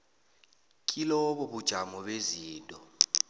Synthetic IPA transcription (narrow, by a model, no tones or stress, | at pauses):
kʼilɔɓɔɓud̥ʒ̥ʱamɔɓeziːntʼɔ